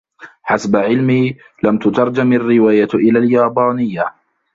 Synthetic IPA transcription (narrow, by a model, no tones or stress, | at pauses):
ħasbaʕɪlmiː | lamt̪ʊt̪ɑɾˤd͡ʒamarːɪwaːjaʔɪlaːljaːbaːnɪjːa